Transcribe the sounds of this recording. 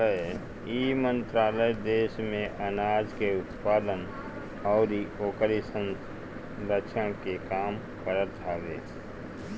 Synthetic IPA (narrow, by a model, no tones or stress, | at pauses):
ə | imə̃nt̪ɾaːləjd̪eːʃmẽʔənaːd͡ʒkeʊt̪paːd̪ən | ɔːɾioːkəɾisə̃ns | ɾət͡ʃʰəɽ̃kekaːm | kəɾət̪aːlḛː